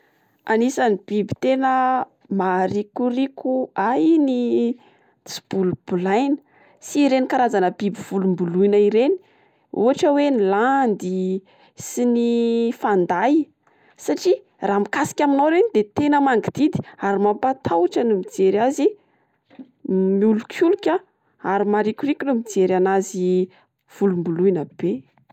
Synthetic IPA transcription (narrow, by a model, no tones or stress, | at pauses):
anisanib̥ibi̥t̪enə | maɾikurikuaini | t͡si̥b̥ulub̥ulajnə̥ | siɾenikaɾazanəb̥ibiv̥ulumbuluinaiɾeni̥ | ṵaʈ͡ʂəweniland̪i | sinifand̪aj | saʈ͡ʂi | rʔaːmikasi̥kʲaminawɾenid̪et̪enəmaŋɡid̪̥id̪i̥aɾimampat̪ʰawʈ͡ʂənumid͡zeɾazi | miulukʰulukʲa | aɾimaɾikʲurikʲunumid͡zeɾanazi | v̥ulumbuluinəb̥e